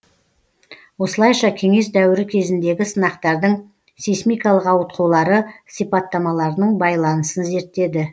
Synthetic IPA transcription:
wo̞səlˠɑjʃɑkʲʰe̞ŋe̞s̬d̪æwɪɾɪkʲʰe̞zɪnd̪e̞ɡʲɪsənɑqt̪ɑɾd̪əɴ | sijsmijkɑlˠəqɑwət̪̚qʰuwlˠɑɾəsijpɑt̪ːɑmɑlˠɑɾənəɴbɑjlˠɑnəsənze̞ɾt̪ːe̞d̪ɪ

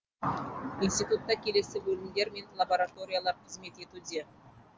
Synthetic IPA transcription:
inst̪it̪ut̪ːɑkʲʰe̞le̞sɪbɵlɪmd̪e̞ɾme̞nlˠaboɾat̪o̞ɾʲijalˠɑɾqʰəzme̞t̪e̞t̪ud̪e̞

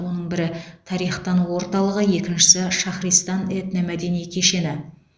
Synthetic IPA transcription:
o̞nəɴbɪɾɪt̪ʰɑɾijχt̪ɑnwo̞ɾt̪ɑlˠəʁəje̞kʲɪnʃɪ̥sɪʃɑχɾijst̪ɑnet̪nemæd̪e̞nijkʲʰe̞ʃe̞nɪ

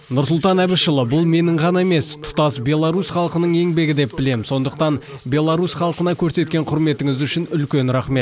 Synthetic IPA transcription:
nʊɾsʊlˠt̪ɑnæbɪʃəlˠəbʊlˠme̞nɪɴʁɑnɑe̞me̞st̪ʰʊ̥t̪ɑsbʲe̞lˠɑɾusχɑlˠqənəɴe̞ŋbe̞ɡʲɪd̪e̞p̚bɪle̞mso̞nd̪əq̚t̪ɑnbʲe̞lˠaɾusχɑlˠqənɑkʲʰɵɾse̞t̪kʲe̞ɴqʰʊɾme̞t̪ɪŋɪzʏʃɪnʏlkʲe̞nɾæχme̞t̪

